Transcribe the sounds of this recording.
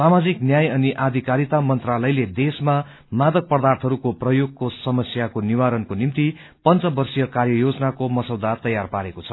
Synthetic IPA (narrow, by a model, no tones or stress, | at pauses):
samad͡ziknjajʌniʔad̪ʱikaɾit̪amʌnt̪ralʌjled̪esma | mad̪ʌk̚pʌrd̪art̪ʰʌɾukoprʌjoɡ̚kosʌmʌsjakoniwaɾʌnkonimt̪i | pʌnt͡sʌbʌrsijʌkarjʌjod͡zʌnakomʌsʌwd̪at̪ʌjarpaɾekot͡sʰʌ